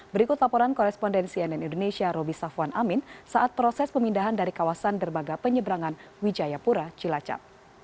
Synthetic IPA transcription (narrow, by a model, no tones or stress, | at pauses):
bəɾikʊt̪lapɔɾankɔɾɛspɔndɛnsiɛnɛnindonesiaɾobisafwanʔamɪnsaʔat̪̚pɾɔsɛspəmindaɦandaɾikawasandərmaɡapəɲəbɾaŋan | wid͡ʒajapuɾat͡ʃilat͡ʃa̰p̚